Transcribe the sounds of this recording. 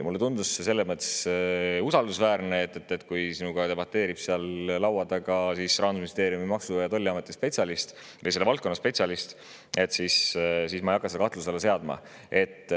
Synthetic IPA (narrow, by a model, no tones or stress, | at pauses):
mulːe̞t̪und̪usse̞lːemət̪ˑːe̥susɑld̪usvæːɾneet̪ːˑet̪ːˑet̪ːˑkujsinuɡ̥ɑt̪e̞b̥ɑt̪ːe̞ːɾib̥seɑlːɑwɑd̪ɑɡɑsisrɑnusminist̪e̞ːɾiumimɑksujɑt̪o̞lːiɑme̞t̪ːispe̞t̪sʲjɑlist̪ | əjselːvɑlt̪̚konːɑspe̞t̪sʲɑlist̪ | e̞t̪sissiːsmɑejɑkːˑɑsed̪ɑkɑht̪luselːese̞ɑd̪mɑ̰ | e̞t̪ːˑ